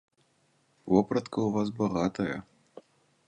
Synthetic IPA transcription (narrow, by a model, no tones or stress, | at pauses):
vɔpɾɐt̪kɐuvas̬bɐɣat̪ɐjɐ̰